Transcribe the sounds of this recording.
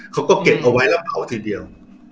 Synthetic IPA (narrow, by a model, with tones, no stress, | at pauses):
kʰa˦˥wkɔː˥˩ke˨˩p̚ʔa˧wa˦˥jla˦˥p̚ːa˩˦wt̪ʰiː˧di˧əw